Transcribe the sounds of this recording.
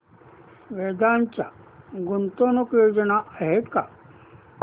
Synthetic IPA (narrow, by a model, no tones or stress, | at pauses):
ʋeːd̪aːnt͡ʃa | ɡʊnt̪oːnukjoːd͡ʒənaʔɐɦet̪ka